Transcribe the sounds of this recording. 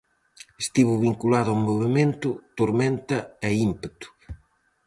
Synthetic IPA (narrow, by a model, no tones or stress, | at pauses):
est̪iβʊβiŋkulaðʊamoβemẽnt̪ʊt̪oɾmẽnt̪ɐɛimpet̪ʊ̥